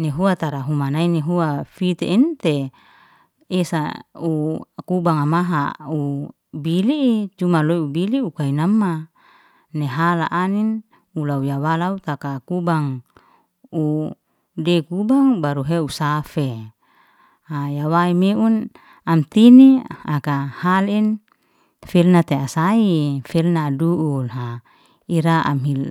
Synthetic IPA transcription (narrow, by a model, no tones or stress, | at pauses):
neɦuat̪aɾaɦumanaineɦuafit̪eint̪e | esaukubaŋamaɦa̰u | biliːt͡ʃumaloiubiliukainamːa | neɦala̰ʔanin | ulaujawalaut̪akakubaŋ | u | dekubaŋbaɾuɦeusafe | hajawaimeʔun | amt̪iniakahalin | filnat̪easaifilnaːduʔulɦa | iɾaa̰mɦil